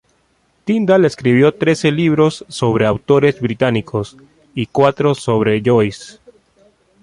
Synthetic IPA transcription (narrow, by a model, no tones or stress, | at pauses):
t̪ind̪aleskɾiβjo̞t̪ɾe̞se̞liβɾosːoβ̞ɾeawt̪o̞ɾe̞zβɾit̪anikʰo̞s | ikwat̪ɾosoβ̞ɾe̞ʝojs